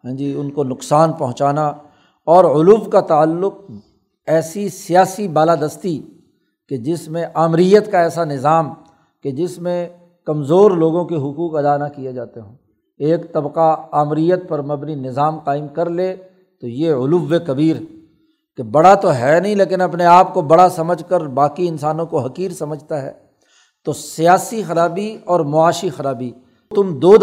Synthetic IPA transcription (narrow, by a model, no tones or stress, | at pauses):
ɦɛ̃ːd͡ʒiːʊnkonʊqsaːnpɐɦʊ̃t͡ʃaːna | ɔːɾʊluʋkat̪aːlːʊq̚ | ɛːsisijaːsibaːlaːd̪əst̪i | ked͡ʒɪsmẽʔaːmɾijət̪kaɛːsanɪzaːm | ked͡ʒɪsmẽ | kɐmzoːɾloːɡõkiɦʊkuːqɐd̪anakijed͡ʒaːt̪eɦũː | eːkt̪ɐbqaaːmɾijət̪̚pɐɾmɐbninɪzaːmqaːɪmkɐɾleː | t̪ojeʊluʋːekɐbiːɾ | kebɐɽat̪oɦɛːnɐɦĩleːk̬ɪnɐpneaːpkobɐɽasɐməd͡ʒʱkəɾbaːkiɪnsaːnõkoɦɐkiːɾsɐməd͡ʒʱt̪aɦɛ̰ː | t̪osijaːsixɐɾaːbiɔːɾmʊaːʃixɐɾaːbi | t̪ʊmd̪oːd̪